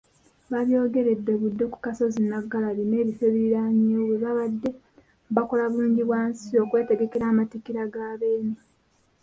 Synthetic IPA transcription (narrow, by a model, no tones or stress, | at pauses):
βaβjo̞ːɡe̞ɾe̞dːe̞βudːe̞ku̥kaso̞zinaɡalaline̞ːβifeβiɾaɲoːβeβaβadːe̞ | bako̞laβuluːɲɟiβwaːnsio̞kwe̞ːte̞ɡe̞keɾaːmatikiɾaɡaːβe̞ːne